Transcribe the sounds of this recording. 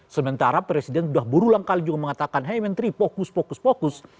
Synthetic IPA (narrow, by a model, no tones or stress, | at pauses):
səmənt̪aɾapɾesidɛnsudahbuɾulaŋkalid͡ʒuɡaməŋat̪akanɦɛjmənt̪ɾipokuspokuspokʊs